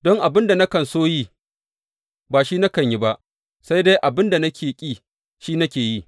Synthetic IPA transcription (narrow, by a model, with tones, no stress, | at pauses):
dɔ˦ŋʔa˨bɪ˦nda˨nɐ˦kɐ˨nsoː˦ji˦ | baː˨ʃiː˦na˦kɐ˨ɲji˦ba˦ʔ | sa˦jde˦jʔa˨bɪ˦nda˨nɐ˦kʲʰeː˨kʲʼiː˦ | ʃiː˦nɐ˦kʲeː˨ji˦